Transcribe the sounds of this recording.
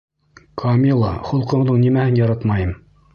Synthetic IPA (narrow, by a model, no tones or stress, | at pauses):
kʰɑmʲilˠɑ̰χŭlˠqɤ̆ðɤɴnimæhɘnjɑɾɑt̪mɑjɤm